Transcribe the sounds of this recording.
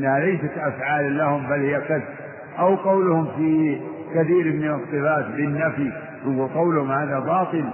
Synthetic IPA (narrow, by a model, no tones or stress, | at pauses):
nːahalajsat̪ʔafʕaːllahʊmbalhɪjːakaθb | ʔawqɑwlʊhʊmfiː | kaθiːɾmɪnɑsˤːɨbaːt̪bɪnːafi | wnɡulqɑwlhʊmhaːðabɑːt̪ˤɨl